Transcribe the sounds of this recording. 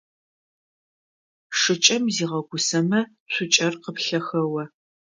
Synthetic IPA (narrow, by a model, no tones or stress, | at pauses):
ʂɨt͡ʃʼɐmziːʁɐɡʷʊsɐmɐ | sʷʰʊt͡ʃʼɐrqəpɬɐxɐwɐ